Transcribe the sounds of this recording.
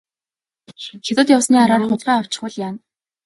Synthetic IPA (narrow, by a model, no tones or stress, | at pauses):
xet̪ʊ̆ːt̪jawsniːaɾaːrχʊɮɢæːɔw̥t͡ɕɪ̥̆χʊ̆ɮjaːn